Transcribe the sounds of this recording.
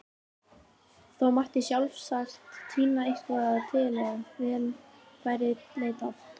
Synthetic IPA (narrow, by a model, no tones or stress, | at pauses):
θowmaht̪ɪsjawlfsaxt̪ʰːiːnaejhk̪vaat̪ʰɪlɛɣavɪðnʰ | vajɾɪɾleːjt̪at̪